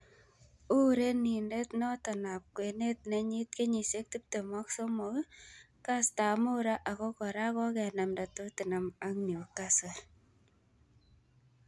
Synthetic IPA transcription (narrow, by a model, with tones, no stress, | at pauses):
u˦ɾe˦ni˨nde˦t̪nɔ˦tɔ˨na˨p̚kwe˨ne˦t̪̚ne˨ɲi˦t̪ke˦ɲi˨se˦k̚ti˦p̚te˨mɔ˦kso˦mo˨ | ka˦sta˨mʊ˦ɾa˦ʔa˨kɔ˦kɔ˨ɾa˦kɔ˦kɛ˨na˨mnda˨to˦ti˨na˨ma˦ŋni˨o˨ka˦sa˨l